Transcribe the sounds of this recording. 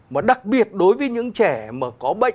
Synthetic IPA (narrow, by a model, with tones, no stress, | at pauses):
maː˨˩ɗa˨˩k̚ɓi˨˩ət̚ɗo˨˦jvəː˨˦jɲɨ̰˧˥ŋt͡ɕɛ˧˩maː˨˩kɔ˨˦ɓə̰˧˨